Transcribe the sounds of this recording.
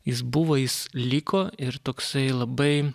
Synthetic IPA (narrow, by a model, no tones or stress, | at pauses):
jɪs̬bʊʋoːjɪslʲiːkoːɪɾt̪oːksɐɪlˠɐbɐɪ